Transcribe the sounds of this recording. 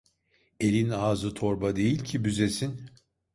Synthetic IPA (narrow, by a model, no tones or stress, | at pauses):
e̞lʲinaːzɯt̪ʰo̞ɾbad̪e̞jilʲcʰibyze̞sin